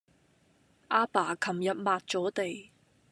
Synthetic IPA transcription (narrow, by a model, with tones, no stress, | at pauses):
ʔaː˧paː˨˩kʰɐ˨˩mjɐ˨t̚maː˨t̚t͡sɔː˨˥t̪e˨j